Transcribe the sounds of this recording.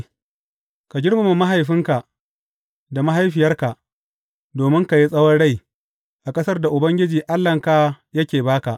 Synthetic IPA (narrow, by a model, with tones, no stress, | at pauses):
ka˨ɡʲɪ˦ɽma˨mu˨ma˦ɦa˨jɸɪ˦ŋka˨ʔ | da˨ma˦ɦa˦jɸɪ˨jɐ˦rka˨ʔ | doː˨mɪ˦ŋka˨ji˦sʼɐ˦wɐ˦nɽa˦˨j | ʔa˨kʼɐ˦sɐ˦rda˨ʔʊ˨bɐ˦ŋɡʲɪ˦d͡ʒiː˨ʔa˦lːɐ˨ŋka˦jɐ˦kʲeː˨baː˦ka˨ʔ